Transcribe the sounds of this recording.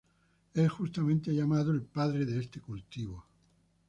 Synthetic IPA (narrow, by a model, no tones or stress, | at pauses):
esxust̪amẽnt̪eʎamaðoelpaðɾeðeest̪ekult̪iβo